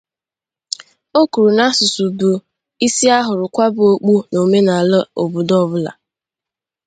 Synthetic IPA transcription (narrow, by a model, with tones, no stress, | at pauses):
o˦ku˨ɾu˨na˦sʊ˨su˨bu˨ | i˦si˦a˦ɦʊ˨ɾʊ˨kʷa˦bʊ˦˨o˦k͡pu˦no˨me˦na˨lo˨bu˨dɔ˦bʊ˦la̰˨